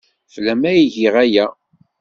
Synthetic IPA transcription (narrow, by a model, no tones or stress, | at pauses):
flæmæjiʝiʁæjæ